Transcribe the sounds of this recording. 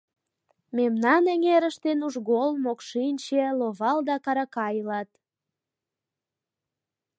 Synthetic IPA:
memnɑneŋeɾəʃt̪enuʒɣolmokʃinʲt͡ɕeloβɑld̪ɑkɑɾɑkɑjlɑt̪

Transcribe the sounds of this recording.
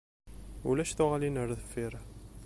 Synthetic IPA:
ulæʃθʊʁalinəɾðəfːiɾ

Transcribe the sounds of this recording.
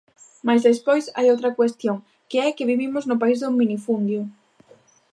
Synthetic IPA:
majzðespojsa̰jowt̪ɾɐkwest̪joŋ | keɛkeβiβimʊznʊpaizðʊminifund̪jʊ

